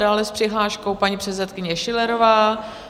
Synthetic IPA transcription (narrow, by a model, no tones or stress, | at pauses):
daːlɛspr̥ɪɦlaːʃko̞wpaɲipr̥ɛt̪sɛt̪kɪɲɛʃɪlɛɾovaː